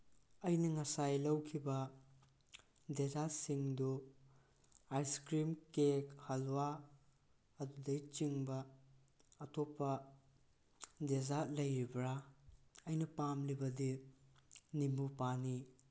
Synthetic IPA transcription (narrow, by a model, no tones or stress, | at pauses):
ɐjnɐŋɐsajlɐwkʰibɐ | dezasiŋdu | ajskɾimkekhalwa | ɐdudɐjt͡ʃiŋbɐː | tʰopːɐ | dezalɐjɾibɾa | ɐjnɐpamlibɐdi | nimupani